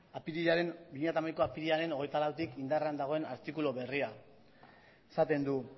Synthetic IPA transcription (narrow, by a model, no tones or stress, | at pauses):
apiɾiaɾe̞nbiɲiat̪amajko̞apiɾiaɾe̞noɣejt̪alawt̪ikind̪areand̪aɣ̞o̞e̞na̰ɾt̪ikuloβe̞ria | esat̪e̞nd̪u